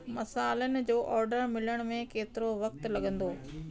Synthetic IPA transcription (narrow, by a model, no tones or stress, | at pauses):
mɐsaːlənɪ̆d͡ʑoːʔɔːɾɖəɾmɪləɽ̃mẽkeːt̪ɪɾoʋɐkt̪lɐɠə̃nd̪oː